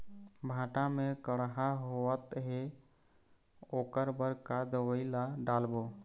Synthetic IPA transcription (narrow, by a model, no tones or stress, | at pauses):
bʱãʈamekəɽɦaɦoət̪ɦe | oːkəɾbəɾkad̪əwəɪlaɖalbo